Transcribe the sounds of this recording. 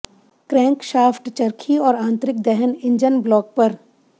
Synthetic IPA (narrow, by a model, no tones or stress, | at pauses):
kɾɛ̃ːŋkʃaːfʈt͡ʃɐɾkʰiɔːɾãːnt̪ɾɪk̚d̪ɛɦənɪ̃ɲd͡ʒənblɔːk̚pɐɾ